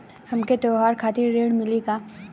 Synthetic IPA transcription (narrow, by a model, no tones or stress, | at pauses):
hɐmket̪oːɦaːɾkʰaːt̪ɪɾɾeːɽmɪliɡaː